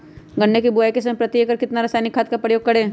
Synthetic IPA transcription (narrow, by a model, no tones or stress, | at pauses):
ɡənːekibuajkes̬ɐmepɾɐt̪jəkɐɾkɪt̪naɾɐsaːjnɪkʰːaːt̪̚kapɾəjoːɡ̚kɐɽẽː